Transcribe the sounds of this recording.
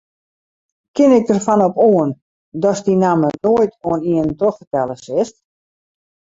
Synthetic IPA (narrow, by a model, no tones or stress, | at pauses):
kɪnɪk̚dərfɔnɔpoən | dɔsdinamənoəjtoəniəntroxfərtɛlˠəsɪst